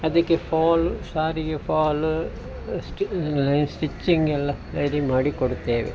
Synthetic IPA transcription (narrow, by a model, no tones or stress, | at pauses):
ɐðɯkːɯfaːlsaːɾijefaːl | sʈlɐɪnsʈɪt͡ʃːŋɡɛlːalɐɾimaːɽikɔɽɯt̪ːeːʋḛ